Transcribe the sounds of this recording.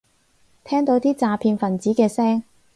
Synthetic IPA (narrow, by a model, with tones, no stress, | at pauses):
t̪ʰɛː˥ŋt̪o˨˥wt̪iː˥t͡saː˨˧pʰiː˧nfɐ˨˩nt͡siː˨˥kɛː˧sɛː˥ŋ